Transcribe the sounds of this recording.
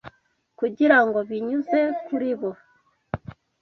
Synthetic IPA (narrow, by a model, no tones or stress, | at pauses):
kuɟiɾaŋɡo̞βiɲuze̞kuɾiβo̞